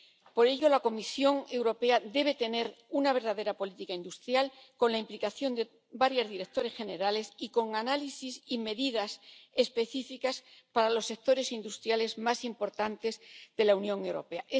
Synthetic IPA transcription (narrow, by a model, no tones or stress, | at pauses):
po̞ɾe̞ʎo̞lako̞misjo̞ŋe̞wɾo̞pead̪e̞β̞e̞t̪e̞ne̞ɾunaβ̞e̞ɾðaðe̞ɾapo̞lit̪ikaind̪ust̪ɾjalkonlaimplikaθjo̞nd̪e | baɾjazðiɾe̞k̚t̪o̞ɾe̞sxe̞ne̞ɾale̞siko̞ŋanalisisime̞ðiðase̞spe̞θifikaspaɾalo̞sːe̞k̚t̪o̞ɾe̞sind̪ust̪ɾjale̞zmasimpo̞ɾt̪ant̪e̞zðe̞launjõ̞ŋewɾo̞̰pe̞aʔ